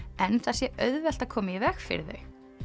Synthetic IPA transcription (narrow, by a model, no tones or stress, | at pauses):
ɛnθasjɛʔœɥðvɛl̥t̪aðkʰɔːmɪivɛxfɪ̰ɾðʏ̰